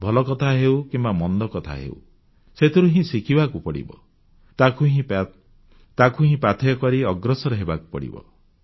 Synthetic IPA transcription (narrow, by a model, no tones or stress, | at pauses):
bʱɔlɔkɔt̪ʰaɦewkimbamɔnd̪ɔkɔt̪ʰa̰ɦḛṵw̰ | set̪ʰiɾuɦĩsikʰibakupɔɽḭbɔ̰ | t̪akʰuɦĩp | t̪akʰuɦĩpat̪ʰɔjɔkɔɾiɔɡɾɔsɔɾɔɦebaku̥pɔɽḭbɔ̰